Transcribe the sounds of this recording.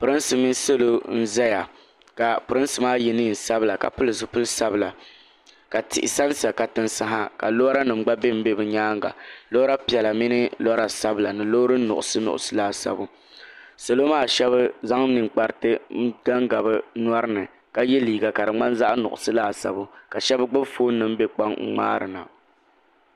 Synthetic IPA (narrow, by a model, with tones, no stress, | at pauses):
pʊ˨ɾɨ˦nsɨ˨mi˦so˦lo˦n̩˦za˦ja˨ | ka˨pɨ˨ɾɨ˦nsɨ˨maː˦ji˨nɨ˦˨n̩˨sa˦bɨ˦la˨ka̰˨pʊ˦lɨ˨sɨ˦pʊ˦lɨ˦sa˦bɨ˦˨la˨ | ka˨tɪ˨ʔɪ˨sa˦nsa˨ka˨tɨ˦nsa˦ɦa˦ka˨lo˦ɾa˦nɨ˨m̩˦ɡ͡ba˦be˦m̩˦be˦bɨ˨ɲaː˦ŋ˦ɡa̰˨loː˦ɾa˦pi˨ɛ˨la˨mɪ˦nɨ˦lɔ˦ɾa˨sa˦bɨ˦la˨nɨ˨loː˦ɾɨ˦n̩˦nʊ̰˨ʔʊ˨sɨ˦nʊ̰˨ʔʊ̰˨sɨ˦laː˦˨sa̰˦bʊ˦ | so˨lo˦maː˦˨ʃɛ˦βɨ˦za˦ŋ˦nɨ˨ŋk͡pa˨ɾɨ˦tɨ˦ɡa˦ŋɡa˨bɨ˦nwa˦ɾɨ˦nɨ˨ | ka˦jɛ˦liː˨ɡa˨ka˨ɾɨ˨ŋ͡ma˦nza˦ʔnʊ̰˨ʔʊ̰˨sɨ˦laː˦˨sa̰˨bʊ˦ka˨ʃɛ˦bɨ˦ɡ͡bɨ˦bfoː˦nɨ˦m˦be˦k͡pa˦ŋ̩˦ŋ͡ma̰ː˦ɾɨ̰˨na̰˨